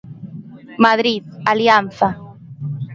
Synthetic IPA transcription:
maðɾiðaljanθa

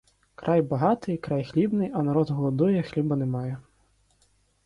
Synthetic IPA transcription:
kɾʔajbaɦat̪ɨjkɾajxlʲibnɨjɐnaɾɔd̪ɦɔlˠɔd̪ɔjɛxlʲibɐnɛmajɛ

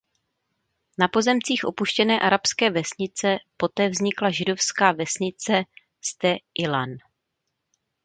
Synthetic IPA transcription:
napo̞zɛmt͡siːxʔo̞puʃcɛnɛːʔaɾapskɛːvɛsɲɪt͡sɛpo̞t̪ɛːvzɲɪklaʒɪdo̞fskaːvɛsɲɪt͡sɛ | st̪ɛʔɪlan

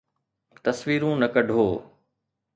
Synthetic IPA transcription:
t̪ɐsʋiːɾũnɐkɐɖʱoː

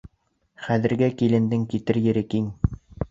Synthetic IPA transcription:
χæðɘ̆ɾɡækilɘ̆nd̪ɘŋkit̪ɘɾjɘ̆ɾɘkiŋ

